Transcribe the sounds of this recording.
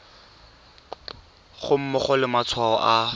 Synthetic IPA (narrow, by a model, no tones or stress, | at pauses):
χʊm̩mʊχɔlɪmat͡sʰwaɔʔa